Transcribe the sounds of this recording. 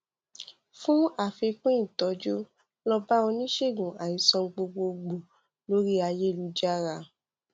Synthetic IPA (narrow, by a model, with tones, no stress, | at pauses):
fũ˦a˦˨fe˧k͡pũ˦ĩ˦˨tɔ˨˧d͡ʒo˦ | lɔ˧ba˦o˧nĩ˦ʃe˦˨ɡũ˨a˨i˨sɔ̃˧ɡ͡bo˧ɡ͡bo˧ɡ͡bõ˨ | lo˦ɾi˦a˧je˦˨lu˨˧˦d͡ʒa˦ɾa˧